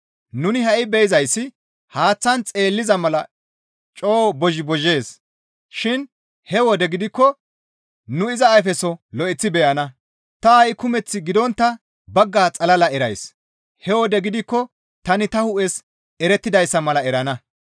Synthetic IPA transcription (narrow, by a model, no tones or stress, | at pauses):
nʊnɪɦɐʔɪbɛjɪzɐjsːɪ | haːt͡sːɐnt͡sʼeːlːɪzɐmɐlɐ | t͡ʃʼoːbɔʒɪbɔʒːe̞ːs | ʃɪn | hɛwɔd̪ɛɡɪd̪ɪkːɔ | nʊɪzɐːjfɛsɔlɔʔɛt͡sːɪbɛjɐnɐ | t̪ɐɐjɪkʊmɛt͡sːɪɡɪd̪ɔnt̪ːɐ | bɐɡːaːt͡sʼɐlɐlɐɛɾɐjs | hɛwɔd̪ɛɡɪd̪ɪkːɔ | t̪ɐnɪt̪ɐhʊʔɛs | ɛɾɛt̪ːɪd̪ɐjsːɐmɐlɐɛɾɐnɐ